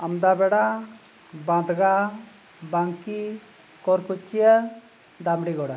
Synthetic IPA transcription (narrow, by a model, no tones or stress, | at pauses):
amd̪abɛɽa | bãd̪ʱɡa | baŋki | kɔɾkʰut͡ʃijə | d̪amɽiɡɔɽa